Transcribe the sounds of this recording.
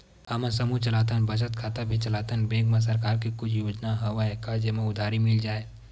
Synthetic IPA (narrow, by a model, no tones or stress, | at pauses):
ɐmãsɐmut͡ʃɐlaːt̪ʰənbʱɐd͡ʒət̪̚kʰaːt̪abʱit͡ʃɐlaːt̪ʰənbeːɡmẽs̬ɐɾkaːɾkikʊt͡ʃʰjoːd͡ʒnaɦɐʋaekad͡ʒəmẽʊd̪ʱaːɾimɪld͡ʒaːeː